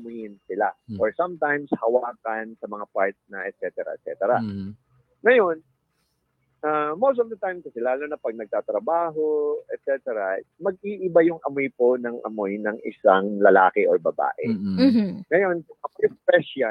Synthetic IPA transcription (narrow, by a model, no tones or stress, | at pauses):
ɐmʊjɪnsɪlaʔoɹsamt̪ajmshɐwaːkɐnsɐmɐŋapaɹt̪snɐʔɛt̪̚t͡ʃɛt̪ɛɾɐ̰ɛ̰t̪sɛ̰t̪ɛɾɐ | ŋɐjo̞n | ʔamowst̪ovd̪ɪt̪ajmkɐsɛlaːlo̞nɐpɐɡ̚nɐɡ̚t̪aːt̪ɾɐbaːɦo̞ɛt̪̚sɛt̪ɛɾɐmɐɡ̚iʔɪbajʊŋʔɐmojpo̞nɐŋʔɐ̰mojnɐŋʔɪ̰saŋlɐlaːkɛʔoɹbɐba̰ːʔɛ̰ | ŋɐjo̞nkʊŋʔɐkojʊŋpɛsa